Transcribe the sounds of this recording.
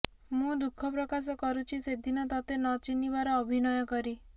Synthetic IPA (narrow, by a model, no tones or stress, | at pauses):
mũd̪ukʰːɔpɾɔkas̬ɔkɔɾut͡ʃʰised̪inɔt̪ɔt̪enɔt͡ʃinibaɾɔːbʱinɔjɔkɔɾi